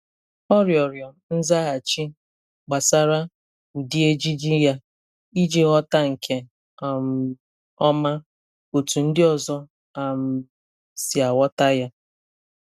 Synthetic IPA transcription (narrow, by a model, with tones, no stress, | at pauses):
ɔ˦ɾjɔ˨ɾjɔ˨ | n̩˦za˦ɣa˨t͡ʃi˦ | ɡ͡ba˨sa˦ɾa˦ | u˨di˦e˦d͡ʒi˦d͡ʒi˦ja˦ | i˦d͡ʒe˨ɣɔ˦ta˦ŋ̩˨kʰe˨ | a˨m˨ | ɔ˦ma˦ | o˨tu˨n̩˦dɪ˦ɔ˦˨zɔ˦ | a˨m̩˨ | si˨a˨wɔ˦ta˦ja˦